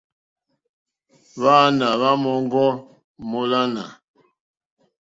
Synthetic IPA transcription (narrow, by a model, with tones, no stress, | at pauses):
βa˦na˨βa˦mɔ˦ŋ˦ɡɔ˦ | mo˦la˦na̰˨